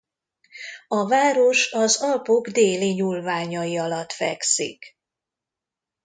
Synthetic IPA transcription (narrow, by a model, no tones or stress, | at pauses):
ɒvaːɾo̞ʃɒzɒlpo̞ɡd̪eːliɲulvaːɲɒjiɒlɒt̪fɛ̰ksḭk